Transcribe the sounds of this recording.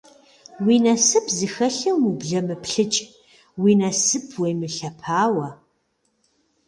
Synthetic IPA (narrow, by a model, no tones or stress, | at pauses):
wiːnɐsɨpʰzɨxɐɬɐwibɮɐmɨpɬɨt͡ʃʼ | wiːnɐsɨpʰwejmɨɬɐpʰaːwɐ